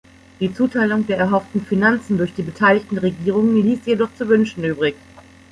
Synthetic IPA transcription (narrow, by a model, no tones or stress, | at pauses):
d̥iːt͡suːtʰaɪlʊŋdeːɐɛɐɦɔftn̩finant͡sn̩dʊɐçd̥iːbətʰaɪlɪçtn̩ʁeɡiːʁ̞ʊŋənliːstjedɔχt͡suvʏnʃn̩yːbʁɪɡ